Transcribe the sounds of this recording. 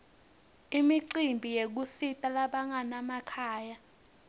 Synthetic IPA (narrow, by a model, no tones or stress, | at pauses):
imiǀimbʱijek̬usitʼalaɓaŋanamakʰaːja